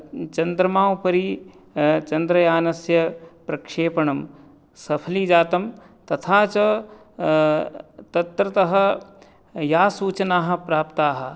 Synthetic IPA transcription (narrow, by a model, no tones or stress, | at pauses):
t͡ʃɐnd̪ɾɐmaːʋpɐɾi | t͡ʃɐnd̪ɾɐjaːnɐsjɐpɾɐkʂeːpɐɳɐm | sɐpʰɐliːd͡ʒaːt̪ɐm | t̪ɐt̪ʰaːt͡ʃɐ | t̪ɐt̪ɾɐt̪ɐɦɐ̆ | jaːsuːt͡ʃɐnaːɦɐ̆pɾaːpt̪aːɦɐ̆